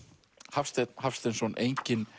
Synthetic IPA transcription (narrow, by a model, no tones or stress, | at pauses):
hafst̪ɛɦafst̪ɛnsvɔnʔejɲcɪn